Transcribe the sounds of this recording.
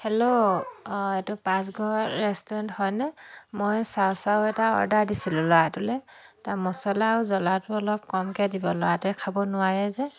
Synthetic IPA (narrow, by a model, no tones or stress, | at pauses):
hɛlo | etupãs̬ɡɔɹɛstɔɹɛnthɔjnɛmojsaʊsaʊɛtaɔ̰ɹdaɹdisilʊ̃lɔatulɛ | tamɔsɔlaʊzɔlatʊɔlɔp̚kɔmkɛdibɔlɔwatʊɛkʰabɔnʊaɹɛzɛ